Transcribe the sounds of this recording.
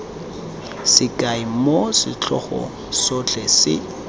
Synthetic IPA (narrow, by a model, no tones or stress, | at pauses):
sɪkʼaɪmosɪt͡ɬʰɔ̰χɔ̰ | sɔt͡ɬʰʼɛsɪ̰